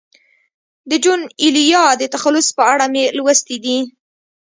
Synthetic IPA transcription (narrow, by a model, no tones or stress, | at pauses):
d̪əd͡ʒunilijɑd̪ət̪axalʊspəaɽamelwəst̪id̪i